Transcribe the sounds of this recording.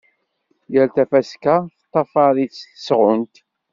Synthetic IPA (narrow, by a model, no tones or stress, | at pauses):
jəlt̪æfæskaθət̪ˤːɑfɑɾit͡sːθə̥sʁʊnt̪